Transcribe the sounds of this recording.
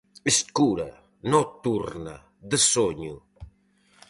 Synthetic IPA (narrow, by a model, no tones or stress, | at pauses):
iskuɾɐ̰ | nɔt̪ːuɾnɐ̰ | d̪əsoɲu